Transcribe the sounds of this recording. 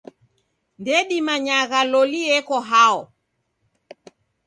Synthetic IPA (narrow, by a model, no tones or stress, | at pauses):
ndɛɗimaɲaɣalɔliɛkɔɦaɔ